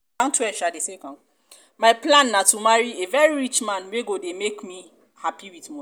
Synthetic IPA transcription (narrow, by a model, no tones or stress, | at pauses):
ãntʰuɛʃadesekɔ̃n | maɪplãnːatumaɹievɛɹiɹit͡ʃmãnweɡodemekmi | hapiwitmɔ